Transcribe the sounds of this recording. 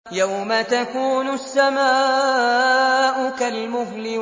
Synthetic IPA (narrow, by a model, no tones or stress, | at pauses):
jawmat̪akuːnʊsːamaː | ʔʊkalmʊhlɪ